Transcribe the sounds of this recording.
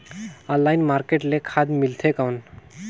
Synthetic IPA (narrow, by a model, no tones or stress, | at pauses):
ɔlːaːjnmaɾkeʈlekʰad̪milt̪ʰekawn